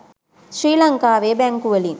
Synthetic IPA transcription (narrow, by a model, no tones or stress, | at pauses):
sɾiːlɐŋkaːʋeːbaːŋkuʋɐli